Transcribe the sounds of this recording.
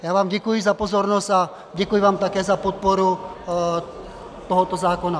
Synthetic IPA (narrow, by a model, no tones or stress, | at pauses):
jaːʋaːmdʲɪkuizapɔzɔɾnost̪a | dʲekuiʋaːmt̪akɛzapɔt̪̚poɾu | t̪ɔɦɔt̪ozaːkona